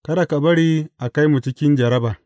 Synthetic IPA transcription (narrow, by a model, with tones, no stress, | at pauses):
kɐ˦da˨ka˨bɐ˦ɽiː˦ʔa˨ka˦jmu˨t͡ʃɪ˦kʲɪ˦nd͡ʒɐ˨ɾɐ˦baː˨ʔ